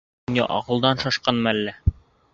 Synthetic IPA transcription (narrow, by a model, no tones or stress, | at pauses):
nʲɘ̰ʔɒ̰ʁɤ̆lˠd̪ɑnʃɑʃqɑnmælːæ